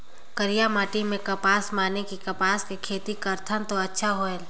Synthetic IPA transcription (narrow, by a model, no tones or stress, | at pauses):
kəɾijamaːʈimẽkɐpaːsmaːnekikɐpaːskekʰeːt̪ikəɾt̪ʰənt̪oɐtːʃʰaɦoɛːl